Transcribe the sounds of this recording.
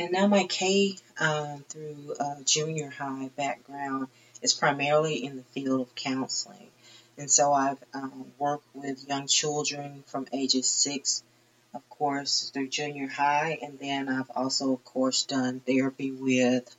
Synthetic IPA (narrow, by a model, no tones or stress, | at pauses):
ɨ̃nːaʊmaɪkʰeɪʌθɹʉʌd͡ʒʉ̃njə˞haɪbæk̚ɡ̥ɹãʊ̃nd | ɨz̥pʰɹ̥aɪmɛɹl̩ˠiʔɨ̃nðɨfilˠdʌv̥kʰãʊ̃nsl̩ˠɪ̰̃ŋ | ɨ̃nsoʊaɪvʌwɜ˞k̚t̚wɪðjʌ̃ŋt͡ʃʰɪlˠdɹɨ̃nfɹʌ̃meɪd͡ʒɨz̥sɪks | ʌv̥kʰɔɹsðə˞d͡ʒʉ̃njə˞haɪʔɨ̃nðɨ̃naɪvɔ̰lˠsoʊʌv̥kʰɔɹsd̥ʌ̃nðə˞biwɪð̥